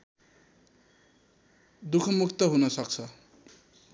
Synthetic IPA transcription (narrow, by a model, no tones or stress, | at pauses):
d̪ukʰʌmukʰt̪ʌɦunʌsʌk̚t͡sʰʌ